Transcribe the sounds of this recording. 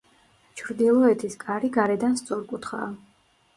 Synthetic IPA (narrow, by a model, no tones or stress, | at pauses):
t͡ʃʰɾd̪ilˠɔɛt̪ʰiskʼaɾiɡaɾɛd̪anst̪sʼɔɾkʼut̪ʰχa̰ː